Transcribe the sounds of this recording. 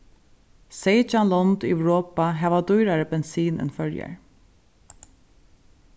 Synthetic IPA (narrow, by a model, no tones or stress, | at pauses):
seɪd͡ʒanlɔnd̪ɛwɹɔːpaɦɛːʋad̪ujɾaɾəbɛnsiːnɛ̰nfœlja̰ɹ